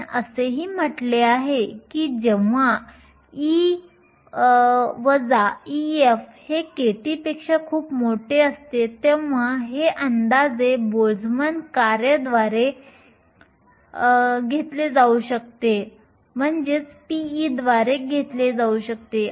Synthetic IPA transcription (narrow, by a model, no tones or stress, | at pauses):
ə̰seɦiːm̤əʈleaɦekiːd͡ʑeʋa | i | ʋəd͡zaiefhekeʈiːpekʂakʰuːpmoʈʰeəst̪et̪eʋaɦeʔənd̪ad͡zebod͡zʱmənkaɾjəd̪ʋaɾe | ɡʱet̪led͡zauɕək̚t̪e | m̤əɳd͡ʑet͡spiid̪ʋaɾeɡʱet̪led͡zauɕək̚t̪e